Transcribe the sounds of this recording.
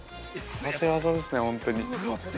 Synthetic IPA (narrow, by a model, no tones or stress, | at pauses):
at̪eβazad̪e̞sɨne̞hõ̞nt̪o̞ɲ̟i